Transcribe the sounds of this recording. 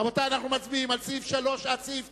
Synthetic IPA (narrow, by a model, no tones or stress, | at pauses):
amot̪aanaχnumat͡sbiimalt͡sifʃalo̞ʃat͡sif